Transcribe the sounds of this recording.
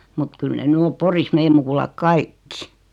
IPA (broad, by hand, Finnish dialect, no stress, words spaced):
mut kyl ne ny om poris meːm mukulɑk kɑikːi